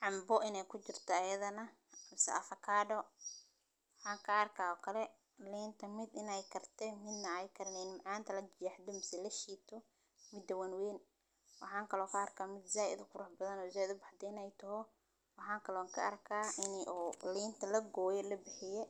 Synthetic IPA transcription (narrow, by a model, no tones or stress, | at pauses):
ʕɑmbɔʔɪnɛjkʰʊt͡ʃɪrt̪ʰɐɐjɐðɐnɐ | mɪsɛ̰ɐfɐkʰaːɖɔ | wħɑːŋkʰɐɐrkʰaːɔkʰɐlɛ | liːnt̪ʰɐmɪd̪ɪnɛjkʰɐrt̪ʰɛmɪd̪ːɐɛjkʰɐɾnɛːnmʕɑːnt̪ʰɐlɐd͡ʒɪjɐħd̪ɔmɪsɛlɐʃiːt̪ʰɔ | mɪd̪ːɐwɐnwɛːn | wɑħɑːŋkʰɐlɔːkʰɐːrkʰaːmɪd̪zaːjɪ̰d̪ʊkʰʊɾʊħbɐðɐnɔːzaːjɪðʊbɑħd̪ɛɪnɛjt̪ʰɐɦɔ | wɑħɑːŋkʰɐlɔːŋkʰɐ̰ʔɐrkʰaːɪnʔɔːliːnt̪ʰɐlɐɡɔːjɛlɐbɪħɪjɛ